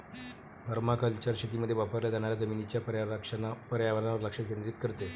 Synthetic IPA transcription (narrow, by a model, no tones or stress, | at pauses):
bʱəɾmakʰəlt͡ɕaɾɕet̪iməd̪ʱːjeʋapəɾlad͡zaɽ̃aɾjad͡zəminit͡ɕjap | pəɾjaʋəɾanaʋəɾləkʂət̪̚kẽnd̪ɾiːt̪kəɾt̪e